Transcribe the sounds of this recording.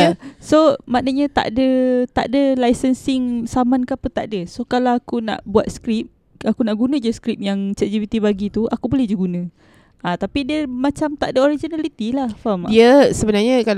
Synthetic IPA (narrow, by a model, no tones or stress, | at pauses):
asomanəɲãt̪a̰ʔdət̪a̰ʔdəlajsənsɪŋsamãnkəapət̪a̰ʔdəsokalawakuna̰ʔbuat̪̚skɾip̚ | akunaʔɡunə̃d͡ʒuskɾip̚jaŋt͡ʃəd͡ʒivit̪ibaɡit̪uʔa̰kubolɛhd͡ʒuɡunə̃ | at̪apidiəmãt͡ʃamt̪aʔdəoɾid͡ʒonalit̪ilahfamdiəsəbənarɲə̃kal